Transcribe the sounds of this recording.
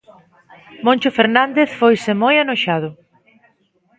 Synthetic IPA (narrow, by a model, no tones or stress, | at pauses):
mõnʲt͡ʃofeɾnãnd̪eθfojsɪmojanoʃað̞ʊ